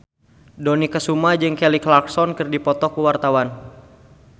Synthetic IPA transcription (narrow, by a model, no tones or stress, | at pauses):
donikəsumad͡ʒɨŋkɛliklaksɔnkɨrdipɔt̪ɔkuwart̪awan